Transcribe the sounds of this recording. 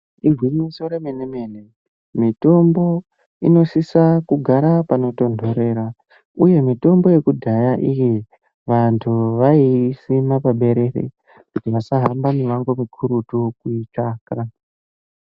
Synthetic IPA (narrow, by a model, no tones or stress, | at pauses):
irwiɲiso̞ɾemeneme̞ne | mito̞mbo̞ | ino̞sisakuɡʱaɾapano̞to̞ndʱo̞ɾe̞ːɾa | uje̞mito̞mbo̞je̞kudʱajaʔiji | ʋantʰuʋaisimapaɓe̞ɾe̞rḛ | kutiʋasaɦambamiʋaŋɡo̞mikʰuɾutukuit͡ʃaːka